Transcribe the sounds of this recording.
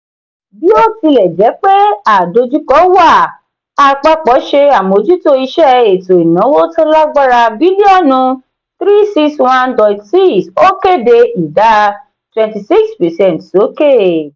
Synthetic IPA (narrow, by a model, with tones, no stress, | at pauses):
bi˨˦o˦˨ti˧lɛ˨d͡ʒɛ˨˦k͡pe˦a˨do˧d͡ʒu˦kɔ˦wa˦˨ | a˧k͡pa˧k͡pɔ˨˦ʃe˧a˨mo˨˦d͡ʒu˦to˧˦i˧ʃɛ˦e˨to˨i˨nã˨˦wo˦to˦la˦ɡ͡ba˦ɾa˧bi˨˦li˦ɔ˦˨nũ˧ | θɾi˦si˦kswã˦ndɔ˨tsi˦so˦ke˦˨de˧i˨da˨˦ | twɛ̃˨nti˨si˦kspɛ˨sɛ̃˦˨nto˨˦ke˦˨